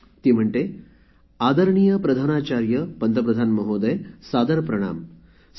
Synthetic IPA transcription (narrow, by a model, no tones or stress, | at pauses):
t̪iːm̤əɳʈe | aːd̪ɐɾɳijɐpɾɐd̪ʱaːnaːt͡ʃaːɾjəpɐnd̪ɐpɾɐd̪ʱaːnmɐɦoːd̪ɐjsaːd̪ɐɾpɾɐɽ̃a̰ːm